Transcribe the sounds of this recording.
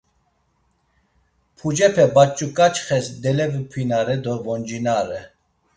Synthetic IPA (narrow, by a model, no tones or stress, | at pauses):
pʰud͡ʒɛpʰɛbat͡ʃʼːukʼat͡ʃʼχɛsd̪ɛlɛvpʰwinaɾɛd̪ɔvɔnd͡ʒinaɾɛ